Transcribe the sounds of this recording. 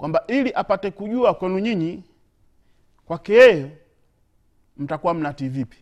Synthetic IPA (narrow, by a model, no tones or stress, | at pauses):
kwʔambaʔiliʔapatɛkuɟuakwɛnuɲiɲi | kwakijɛjɔ | m̩takuwam̩nativipi̥